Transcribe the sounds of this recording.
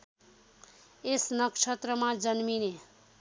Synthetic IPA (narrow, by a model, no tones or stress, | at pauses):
esnʌkʃʰʌt̪ɾʌmad͡zʌnmine